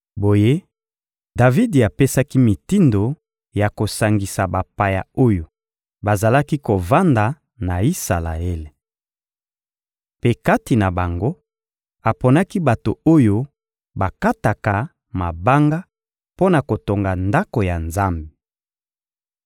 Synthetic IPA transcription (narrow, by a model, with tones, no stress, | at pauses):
bo˨je˦ | da˨vi˦di˨a˨pe˦sa˦ki˦mi˨ti˦ndo˨ | ja˨ko˨sa˨ŋɡi˨sa˨ba˨pa˨ja˨o˦jo˨ | ba˨za˨la˦ki˦ko˨va˦nda˨ | na˨i˦sa˨la̰˨e˦le˨ | pe˦ka˦ti˨na˨ba˨ŋɡo˦ | a˨pɔ˨na˦ki˦ba˨to˨o˦jo˦ | ba˨ka˦ta˨ka˨ | ma˨ba˦ŋɡa˦ | po˦na˨ko˨to˨ŋɡa˨nda˦ko˨ja˨nza˦mbi˨